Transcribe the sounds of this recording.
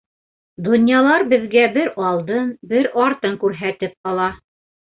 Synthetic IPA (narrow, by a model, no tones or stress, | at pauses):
d̪ŏnjɑlˠɑɾbɘ̆ðɡæbɘɾɑlˠd̪ɤnbɘɾɒɾt̪ɤŋkʉɾɦæt̪ɘp̚qɑlˠɑ